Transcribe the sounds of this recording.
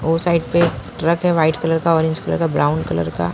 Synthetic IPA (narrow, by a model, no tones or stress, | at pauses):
oːsaːɪɖpeʈɾəkɦɛʋaːɪʈkɐləɾkaɔːɾɪ̃nt͡ʃkələ̰ɾkabɾaːʊnkɐlə̰ɾka̰